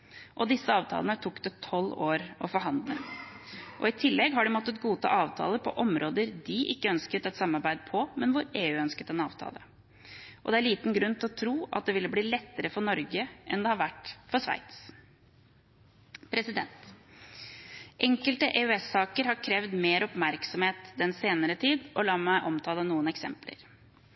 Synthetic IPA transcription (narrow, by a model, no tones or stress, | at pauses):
ʔɔd̪ɪsːəɑːʋt̪ʰɑ̰ːlənət̪ʰʊkːd̪ət̪ʰɔlːoːɾɔfɔɾɦɑnd̪lə | ʔɔɪt̪ʰɪlːɛɡɦɑɖɪmɔt̪ːət̪ɡuːt̪ʰɑ̰ːʔɑːʋt̪ʰɑ̰ːləpʰɔ̰ʔɔmɾʔoːd̪əɾd̪ɪʔɪkːəœnskət̪ɛt̪sɑmːɑɾbæɪd̪̚pʰɔmɛnʋʊɾeːʉːœnskət̪ɛnɑ̰ːʋt̪ʰɑ̰ːlə | ʔɔd̪ɛæɾɭiːt̪n̩ɡɾʉnt̪ɪlɔt̪ʰɾuːʔɑ̰t̪̚d̪ɛʋɪlːəbliːlɛt̪ːəɾəfɔɳɔɾɡəʔɛnd̪ɛhɑɾʋæʈfɔʂʋæ̰ɪt̪s | pʰɾɛsɪd̪ɛnt̪ | ʔɛŋkəlt̪əʔeʉɛsːɑːkəɾhɑɾkʰɾɛʋd̪meːɾʔɔpmæɾksɔmheːt̪d̪ɛnseːnəɾət̪ʰiːd̪ʔɔlɑːmæɪʔɔmt̪ʰɑːlənuːənɛksɛ̰mplə̰ɾ